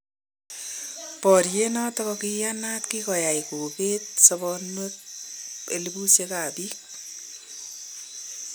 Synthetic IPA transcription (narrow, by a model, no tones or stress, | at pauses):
pɔɾijenɔt̪ɔkɔkijanat̪kikɔjajkoket̪̚sɔbɔnek̚ | ḛlibusekabik